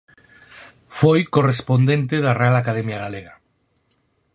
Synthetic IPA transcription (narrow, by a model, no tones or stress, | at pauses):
fojkorespond̪ẽnt̪eðarealakaðɛmjaɣaleɣa